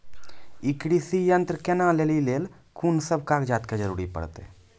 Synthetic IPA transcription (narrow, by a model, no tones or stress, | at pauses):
ikɽisijənt̪ɾəkenãleːlileːl | kʰuːnsəbʱkaːkd͡ʒaːt̪ked͡ʒəɾṵːɾipə̰ɽt̪ḛ